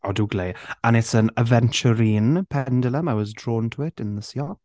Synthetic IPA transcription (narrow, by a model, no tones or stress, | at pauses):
ɔduːɡleːanɪtsənəvɛnt͡ʃəɾiːnpʰɛndɪlˠəməwɔzdroːntʰəɪtʰɪnðəsjɔp̚